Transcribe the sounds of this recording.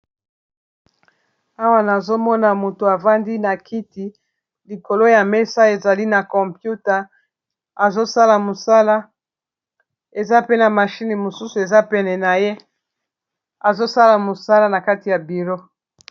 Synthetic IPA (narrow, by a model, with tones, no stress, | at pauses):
a˦wa˦na˨zo˦mɔ˦na˨mo˨to˨a˨va˦ndi˦na˨kʰi˦ti˨ | li˨ko˨lo˦ja˨mɛ˦sa˦e˨za˨li˦na˨kɔ˨mpju˦ta˨ | a˨zo˦sa˦la˨mo˨sa˦la˦ | e˨za˦pe˦na˨ma˨ʃi˦ni˨mo˨su˦su˨e˨za˦pɛ˦nɛ˨na˨je˦ | a˨zo˦sa˦la˨mo˨sa˦la˦na˨ka˦ti˨ja˨bi˨lo˦